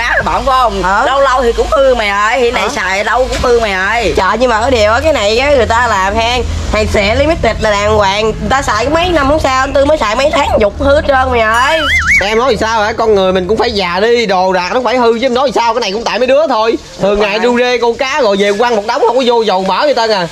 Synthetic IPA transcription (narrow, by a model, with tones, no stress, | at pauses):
aː˨˦˨ɓaː˧˨˩mkɔ˨˦˧ŋ͡mʔəː˧˦lə˧wlə˧wt̪ʰi˨˩kʊ̰˧˥ŋ͡mhɨ˧ma˨˩jʔəː˧˩jhḭ˧˥na˨˩jsa̰ː˨jʔə˨ɗə˧wkʊ̰˧˥ŋ͡mfɨ˧ma˨˩jʔəː˧jt͡ɕə̰ː˧˨ɲɨ˧maː˨˩ʔəː˧˦ɗi˨˩əwʔəː˨˦˩kaː˨˦jna˨˩jkaː˨˦ŋɨ˨˩əjt̪aː˧laː˨˩mɦaː˧ŋ | ha̰ː˨˩ŋsɛ̰˧˩˥li˧mi˦˥t̚t̪i˨˩t̚laː˨˩ɗaː˨˩ŋkwaː˧˨ŋ˨˩t̪aː˧saː˧˨jkɔ˨˦mə˨˦jna˧mhʊ˧˦wŋ͡msaː˧wʔə˧nt̪ɨ˧məː˨˦jsaː˧˨jmə˨˦jt̪ʰaː˨˦˥ŋɲʊ˨˩k͡p̚hɨ˧t͡ɕəː˧nma˨˩jʔəː˧jɛ˧mnɔ˨˦jzi˨˩saː˧waː˨˩kɔ˧nŋɨ˨˩əjmï˨˩ŋ̟kʊ̰˧˥ŋ͡mfaː˧˩jzaː˨˩ɗi˧ɗo˨˩zaː˨˩k̚nɔ˨˦˥faː˧˩jhɨ˧˦ɛ˧nɔ˨˦zi˨˩saː˧wkaː˦na˨˩kʊ̰˧˥ŋ͡mt̪aː˧˨jmə˨˦jɗɨ˨˥ə˦t̪ʰo˧j | t̪ʰɨ˨˩əŋːaː˨˩jɗu˧ze˧ko˧kaː˨˦ɣɔ̰˧˨˩jze˨˩kwaː˧ŋmo˨˩t̚ɗa˨˦wŋ͡mhə˧wŋ͡mkɔ˨˦zo˧zə˨˩wməː˧˦ɗi˧˦t̪əː˧nʔaː˨˩